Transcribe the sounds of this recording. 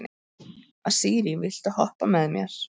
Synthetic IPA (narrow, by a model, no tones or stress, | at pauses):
nɪ | aðsiːɾivɪl̥t̪ahɔhpamɛðmjɛɾ̥